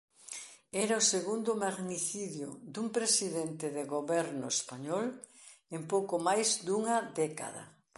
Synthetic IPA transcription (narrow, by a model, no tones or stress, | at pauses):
ɛɾaoseɣund̪omaɣniθiðjʊ̰d̪umpɾesiðɛnt̪ɪðeɣoβɛɾnʊ̰espaɲɔl | empowkomajzd̪uŋɐd̪ɛka̰ðɐ̰